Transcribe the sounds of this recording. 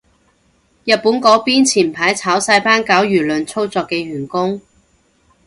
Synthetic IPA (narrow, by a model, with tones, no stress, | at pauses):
jɐ˨t̚puː˨˥nkɔː˨˥piː˥nt͡sʰiː˨˩npʰaː˨˥jt͡sʰaː˨˥wsɐ˧jpaː˥nkaː˨˥wjyː˨˩lɵ˨˧nt͡sʰo˥wt͡sɔː˧kːɛː˧ɥyː˨˩nkʊ˥ŋ